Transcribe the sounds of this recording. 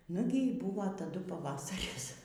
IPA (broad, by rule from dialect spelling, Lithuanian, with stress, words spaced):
ˈnʊɡʲɪ iː ˈbuːʋoː tɐˈdʊ pɐˈʋɑːsɐrʲɪs